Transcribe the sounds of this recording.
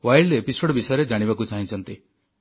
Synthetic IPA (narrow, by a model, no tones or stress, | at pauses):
wajɭlepisɔɽɔbisɔjɔɾed͡ʒaɽ̃ibakut͡ʃaɦĩt͡ʃʰɔnt̪i